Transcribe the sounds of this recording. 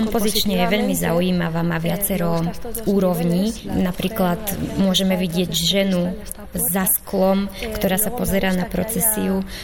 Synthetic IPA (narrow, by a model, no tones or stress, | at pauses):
ɔmpɔzit͡ʃɲɛjɛʋɛʎmiza̰ujiːmaʋaːmaʋɪat͡sɛɾɔuːɾɔʊɲiːnapɾiːklat̪mʊɔʒɛmɛʋiɟɪɛɟʒɛnu | zːasklɔmkt̪ɔɾaːsapɔzɛɾaːnapɾɔt͡sɛsiu